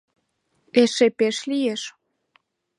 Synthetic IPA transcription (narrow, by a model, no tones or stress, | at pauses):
eʃepeʃlijeʃ